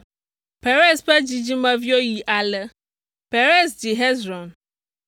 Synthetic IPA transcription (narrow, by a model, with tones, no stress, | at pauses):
pɛ˨ɾɛ˦sɸɛ˦d͡ʑi˨d͡ʑi˦mã˦vi˦o˦ji˨ʔa˨lɛ˨ | pɛ˨ɾɛ˦s̬d͡ʑi˨ɦɛ˦zɾɔ̃˨n